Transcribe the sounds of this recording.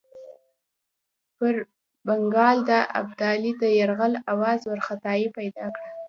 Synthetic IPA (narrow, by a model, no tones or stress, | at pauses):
pəɾ | baŋɡɑld̪aʔa̰b̚d̪ɑlid̪əjaɾɣalawɑzwaɾxat̪ɑjipajd̪ɑkɽa